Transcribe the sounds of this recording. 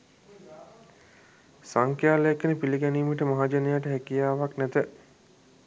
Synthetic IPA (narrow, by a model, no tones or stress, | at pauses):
saŋkjaːleekːənəpiliɡæniːməʈəmaɦad͡ʒenejaʈəɦækijaːʋaknɛt̪ə